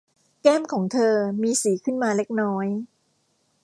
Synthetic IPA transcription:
kɛː˥˩mkʰɔː˩˦ŋt̪ʰɤː˧miː˧siː˩˦kʰɯ˥˩nmaː˧le˦˥k̚nɔː˦˥j

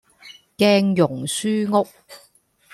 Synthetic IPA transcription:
kɛː˥ŋjʊ˨˩ŋsyː˥ŋʊ˥k̚

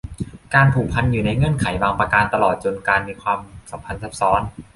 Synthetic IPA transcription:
kaː˧npʰuː˨˩pʰa˧njuː˨˩na˧jŋɤ˥˨nkʰa˩˦jwaː˧ŋpa˧kaː˧nt̪a˧lɔː˨˩t̪̚t͡ɕo˧nkaː˧nmiː˧kʰwaː˧msa˩˦mpʰa˧nsa˦˥p̚sɔː˦˥n

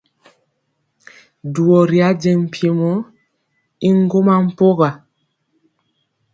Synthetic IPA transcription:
du˨ɔ˨ɾi˨a˦d͡ʒɛ˨m̩˨pje˨mɔ˦ | i˦ŋ˦ɡo˦ma˦m̩˦po˦ɣa˨

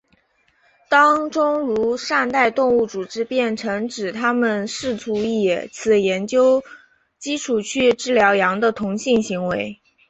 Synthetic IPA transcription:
t̪ɑ˥ŋʈ͡ʂʊ˥ŋɻu˧˥ʂa˥˧nt̪a˥˧ɪt̪ʊ˥˧ŋu˥˩t͡su˨˩ʈ͡ʂɻ̩˥pjɛ˥˩nʈ͡ʂʰɤ˧˥ŋʈ͡ʂɻ̩˨˩t̪ʰa˥mə˨nʂɻ̩˥˩t̪ʰu˧˥i˨˩t͡sʰɹ̩˨˩jɛ˧˥nt͡ɕjo˥ʊ | t͡ɕi˥ʈ͡ʂʰu˨˩t͡ɕʰy˥˩ʈ͡ʂɻ̩˥ljɑ˧˥ʊjɑ˧˥ŋd̪ə˧t̪ʰʊ˧˥ŋɕi˥˩ŋɕi˧˥ŋwe˧˥ɪ

